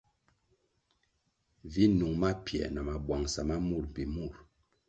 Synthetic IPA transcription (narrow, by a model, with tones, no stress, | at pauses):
vi˦nu˨ŋma˦pjɛ̰˨na˨ma˨bwa˨ŋsa˨ma˦mu˦˨ɾpi˨mu˦˨ɾ